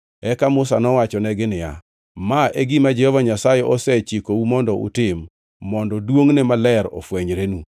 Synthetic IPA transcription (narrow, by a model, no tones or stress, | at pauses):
ɛkamʊs̬anɔwat͡ʃɔnɛɡɪnɪja̰ | maeɡimad͡ʒɛhɔvaɲasajɛʔɔsɛt͡ʃikoumɔndɔʔʊ̰tɪmː | ɔndɔdwoŋnɛmalɛɾɔ̰fwɛɲɾenu